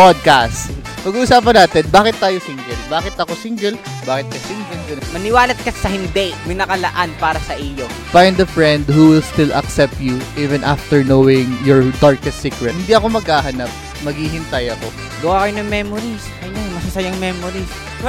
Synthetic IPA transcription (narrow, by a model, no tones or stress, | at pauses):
pod̪̚kast̪ | pɐɡuːʔʊsaːp̬ɐnaːt̪ɛnbaːkɪt̪ːaːjosiŋd͡ʒɛlbaːkɪt̪ɐko̞sɪŋɡɛl | baːkɪt̪̚kɐsiŋɡɛnd͡ʒɛmɐnɪwaːlɐt̪̚kɐsɐhɪnd̪ɛmɐjnɐkɐlɐʔanpaːɾɐsɐʔijo | fajnd̪ɐfɹɛnd̪huwɪlst̪ɪlʔɐ̰ksɛp̚t̪juʔiːvɛ̃nʔaft̪ɛɹnowɪŋjɔɹd̪aɹkɛst̪siːkɹɛt̪hɪnd̪iːɐko̞mɐɡaːɦɐnɐp̚ | mɐɡhiːɦɪnt̪ɐjɐko̞ | ɡɐwaːkɐjonɐŋmɛmoɾis | ɐnamɐsɐsɐjaŋmɛmoɾis